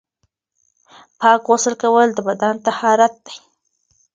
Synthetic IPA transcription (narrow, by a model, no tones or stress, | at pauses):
pɑkwosəlkawəld̪əbad̪ant̪ahɑɾat̪̚d̪aj